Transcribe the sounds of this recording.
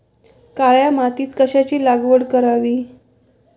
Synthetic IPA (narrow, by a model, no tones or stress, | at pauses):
kaɭjamat̪iːt̪kəɕat͡ɕiːlaɡʋəɽkəɾaʋiː